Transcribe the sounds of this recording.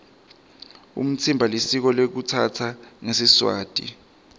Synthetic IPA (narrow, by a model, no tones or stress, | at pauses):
ṵm̩t͡sʰimbʱalisik̬ɔlek̬utʰatʰaŋesiswa̰ːd̥ʱḭ